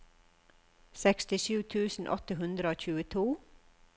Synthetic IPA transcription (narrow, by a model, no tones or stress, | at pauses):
sɛkst̪ɪʃʉːt̪ʰʉːsn̩ʔɔ̰t̪əɦʉnd̪ɾəoːc͡çʉːət̪ʰuː